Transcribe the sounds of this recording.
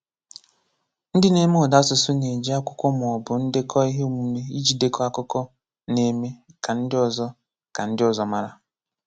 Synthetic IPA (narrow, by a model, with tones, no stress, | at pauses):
n̩˦dɪ˦ne˦me˦ɔ˨da˦sʊ˨sʊ˦ne˨d͡ʒi˦a˦kʷʊ̥˦kɔ˦m˨ɔ˨bʊ˨n̩˦de˦kʰɔ˦i˦ɦe˦u˦˨mu˨me˦i˦d͡ʒi˨de˦kɔ˦a˦kʊ˦kɔ˦ | ne˦me˦ka˨n̩˦dɪ˦ɔ˨zɔ˦ | ka˨n̩˦dɪ˦ɔ˨zɔ˨ma˦ɾa˦